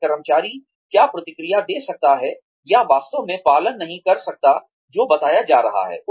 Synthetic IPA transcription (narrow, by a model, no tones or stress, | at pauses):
ɐɾəmt͡ʃaːɾi | kjaːpɾɐt̪ɪkɾijad̪eːsɐk̚t̪aɦɛ | jaʋaːst̪õmẽpaːlənːɐɦĩkɐɾsɐk̚t̪a | d͡ʒoːbɐt̪aːjad͡ʒaːɾɐɦa̰ɦɛ̰ːʊ